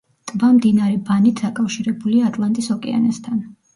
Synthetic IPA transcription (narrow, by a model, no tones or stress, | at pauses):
t̪ʼvamd̪inaɾɛbanit̪ʰd̪akʼafʃiɾɛbuliaːt̪ʼlˠant̪ʼisɔkʼɛ̰a̰nast̪ʰan